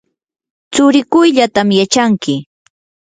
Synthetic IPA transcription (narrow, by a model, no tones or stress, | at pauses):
t͡sʊɾɪkʊjʎat̪amjat͡ʃaŋkɪ